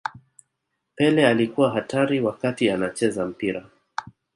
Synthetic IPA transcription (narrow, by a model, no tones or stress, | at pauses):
pɛlɛalikuwaɦataɾiwakatianat͡ʃɛzam̩piɾa